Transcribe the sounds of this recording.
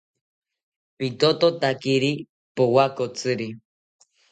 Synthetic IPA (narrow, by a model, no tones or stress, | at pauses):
pit̪ot̪ot̪akiɾi | powakot͡sɨɾi